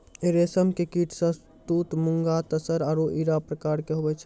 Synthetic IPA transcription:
eɾesəmkekiːʈʰsə̃s | t̪uːt̪mʊŋɡat̪əsəɾaːɾoʔiːɾapɾəkaːɾkeɦoːbɛt͡ʃʰ

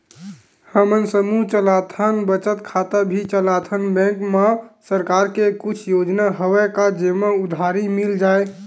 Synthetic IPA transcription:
həmənsəmut͡ʃəlat̪ʰənbət͡ʃət̪kʰat̪əbʱit͡ʃəlat̪ʰənbɛ̃kmesəɾkaɾkekut͡ʃʰjod͡ʒnaɦowɛkad͡ʒemeud̪ʱaɾimild͡ʒae

